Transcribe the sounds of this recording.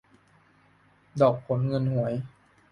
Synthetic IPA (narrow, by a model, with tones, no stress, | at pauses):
dɔː˨˩k̚pʰo˨˩˦nŋɤ˧nhu˩˦əj